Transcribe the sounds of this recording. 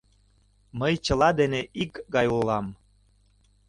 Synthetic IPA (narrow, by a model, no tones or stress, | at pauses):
məjt͡ɕəlɑd̪eneʔikɡɑjulɑm